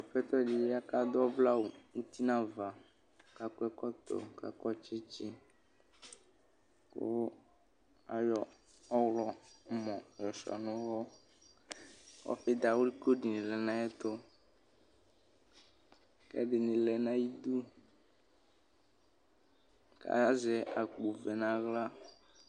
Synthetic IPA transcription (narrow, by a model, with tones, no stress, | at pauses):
ɔ˨ɸɛ˦t̪ɔ˦d͡ʒi˨je˦a˦ka˦d̪ɔ˦bla˦wo˨ŋu˦t̪i˦nã˦va˨ | ka˨kʊ˦ɛ˦kɔ˦t̪ɔ̰˨ka̰˨kɔ˦t͡ʃe˦t͡ʃi˦ | ko̰˦ | a˨jɔ˨ | ɔ˦wlɔ˦mɔ̃˨jɔ˨ʃɔ̰˨nʊ̃˦wɔ˦ | kɔ̰˦fe˦d̪a˨wo˦li˦ko˦ɖi˨nĩ˨lɛ˨nã˦jɛ˦t̪o˦ | kɛ̰˦ɖɪ˨nĩ˨lɛ˨nã˦ji˦d̪u˦ | ka̰˦a˦zɛ˨a˨k͡pu˨vɛ˨nã˨ɣla˦